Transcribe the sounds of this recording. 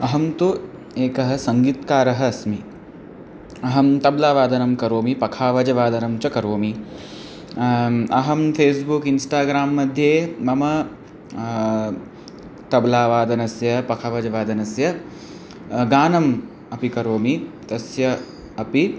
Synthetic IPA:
ɐɦɐmt̪u | eːkɐɦɐ̆sɐŋɡiːt̪kaːɾɐɦɐsmi | ɐɦɐmt̪ɐblaːʋaːd̪ɐnɐmkɐɾoːmipɐkʰaːʋɐd͡ʒɐʋaːd̪ɐnɐmt͡ʃɐkɐɾoːmi | ɐɦɐmfʰeːsbukinsʈaːɡɾaːmːɐd̪ʱjeːmɐmɐ | t̪ɐblaːʋaːd̪ɐnɐsjɐpɐkʰaːʋɐd͡ʒɐʋaːd̪ɐnɐsjɐ | ɡaːnɐm | ɐpikɐɾoːmit̪ɐsjɐ | ɐpi

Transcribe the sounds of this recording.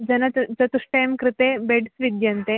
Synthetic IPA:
d͡zɐnɐt͡sɐt̪uʂʈɐjmkɾɪt̪ebeɖsʋid̪jɐnt̪e

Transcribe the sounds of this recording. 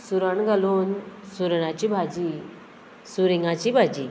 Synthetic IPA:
suɾaɳɡʱalonsuɾɳat͡ɕibʱad͡ʑi | suɾiŋɡat͡ɕibʱad͡ʑi

